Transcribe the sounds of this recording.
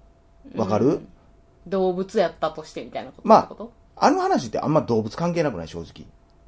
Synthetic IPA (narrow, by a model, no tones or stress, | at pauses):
βakaɾɯ̟ | d̪o̞ːbɯ̟t͡sɨjat̪ːat̪o̞ɕi̥t̪e̞mʲi̥t̪ainakot̪maːkot̪o | anɯhanaɕ̬it̪ːe̞ʔã̰mːaɾid̪o̞ːbɯ̟t͡sɨ̥kãŋk̬e̞ːnakɯna̰iɕo̞ːʑi̥kʲḭ